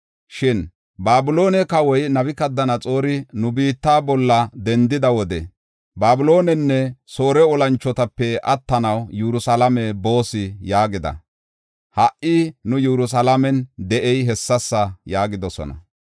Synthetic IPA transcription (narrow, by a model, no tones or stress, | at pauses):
ʃɪn | baːbʊlo̞ːnɛkɐwɔjnɐβɪkɐd̪ːɐnɐt͡sʼo̞ːɾɪnʊbiːt̪ːaːbɔlːɐd̪ɛnd̪ɪd̪ɐwɔd̪ɛ̰ | baːbʊlo̞ːnɛnːɛso̞ːɾɛɔlɐnt͡ʃːɔt̪ɐpːɛʔɐt̪ːɐnɐwjuɾʊsɐlɐmɛbo̞ːsɪjaːɡɪd̪ɐ̰ | hɐʔɪnʊjɛɾʊs̬ɐlɐmɛnd̪ɛʔɛjɦɛsːɐsːɐjaːɡɪd̪ɔsɔ̰nɐ̰